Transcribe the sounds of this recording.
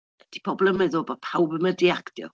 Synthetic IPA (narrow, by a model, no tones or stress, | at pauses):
d̥ipʰɔbɔlˠəmɛðobapʰawbəmədiaktjɔ̰